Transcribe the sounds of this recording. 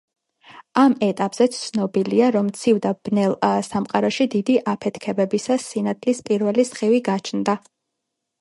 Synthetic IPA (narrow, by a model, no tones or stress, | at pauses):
amɛt̪ʼapʼz̥ɛt̪ssʰnɔbiliaɾɔmt̪sʰivd̪ab̥nɛlˠsamqʼaɾɔʃid̪id̪iʔapʰɛt̪ʰkʰɛbɛbisasinat̪ʰlispʼiɾvɛlisχiviɡat͡ʃʰnd̪a